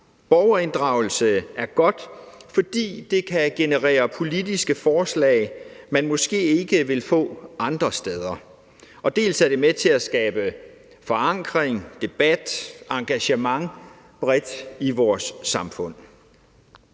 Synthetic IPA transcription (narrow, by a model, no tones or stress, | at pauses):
b̥ɒːʊɐe̝nd̥ʁɑ̈ʊl̩səæɐɡ̥ɒ̽d̥fɒ̽d̥ḭːd̥e̝kʰæɡ̥e̝nəʁɛ̰ːɐpʰo̝lid̥isɡ̥əfɒːslɛ̰ɪmænmɔ̽sɡ̥e̝̰ːe̝ɡ̥əʋe̝lfɔ̰̽ːʔɑ̈nd̥ʁɐsd̥eð̞ˠɐ | ɒ̽d̥e̝̰ːlsæɐd̥e̝met͡sʰe̝æsɡ̥ɛːb̥ə | fɒ̽ɑ̈ŋ̰ɡ̥ʁeŋd̥e̝b̥æd̥ɑ̈ŋɡ̥æɕəmɑ̈ŋ | b̥ʁɛd̥iʋɒːsːɑ̈mfɔ̽n̰